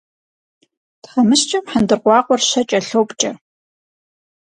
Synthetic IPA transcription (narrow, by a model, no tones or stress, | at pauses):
tχɐmɨɕt͡ʃʼɐmħəndɨrqʷɑːqʷɔrɕɐt͡ʃʼɐɬowpʼt͡ʃʼɐ